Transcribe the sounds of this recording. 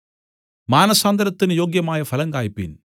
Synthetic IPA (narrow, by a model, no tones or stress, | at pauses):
maːnɐsaːnd̪ɐɾɐt̪ːinɨjo̞ːɡjɐmaːjɐfʰɐlɐŋkaːjpːḭn